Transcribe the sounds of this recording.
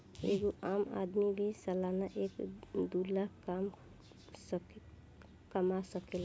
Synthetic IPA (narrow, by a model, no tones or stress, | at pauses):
ḛɡoʔaːma̰d̪mibʱisəlaːnaʔeːkd̪ulakam | sk | kəmasəkela